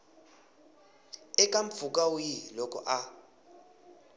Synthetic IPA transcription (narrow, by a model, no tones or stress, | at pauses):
ɛkʼaɱ̩p̪fukʼaujilɔkʼɔ̰ʔa